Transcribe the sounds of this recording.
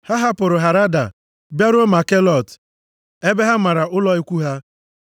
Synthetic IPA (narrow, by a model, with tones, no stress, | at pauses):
ha˦ɦa˦pʊ˨ɾʊ˨ɦa˨ɾa˦da̰˨ | bja˦ɾo˦ma˨ke˦lɔ˨t | e˦be˦ɦa˦ma˨ɾa˨ʊ˦lɔ˦i˦kʷu˦ɦa˦